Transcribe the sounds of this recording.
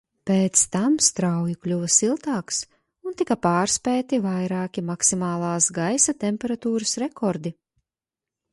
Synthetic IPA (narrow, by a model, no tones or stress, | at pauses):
peːt̪st̪amst̪ɾawjuklʲuvɐsilˠt̪aːks | unt̪ikɐpaːɾspʲɛːt̪ivajɾaːkʲimaksimaːlˠaːsɡajsat̪ɛmʲpʲɛɾat̪uːɾɐsɾɛkɔɾd̪i